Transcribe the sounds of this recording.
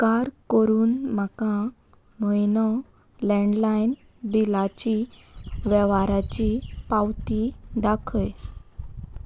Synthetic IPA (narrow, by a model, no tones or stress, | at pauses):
kaɾkəɾuːnm̤akã | məjnɔ | lɛ̃ɳɖlajn | bilat͡ɕi | ʋɛʋaɾat͡ɕipawt̪id̪akʰəj